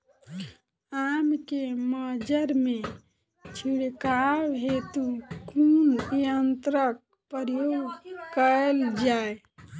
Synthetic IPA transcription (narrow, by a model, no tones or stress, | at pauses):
amkeməd͡ʒəɾme | t͡ʃʰiɽkawɦet̪ukʰuneənt̪ɾək̚ | pəɾjoɡkəeld͡ʒae